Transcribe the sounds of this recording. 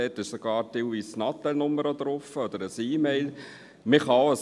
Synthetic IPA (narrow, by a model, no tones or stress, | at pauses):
ɛtɪʃsoɡ̥ɑːɾtɪlviːsnɑt̪ːɛlnʊməɾəd̪ɾʊfəɔd̥̪əɾəsiːmeɪl | mɪχɑəs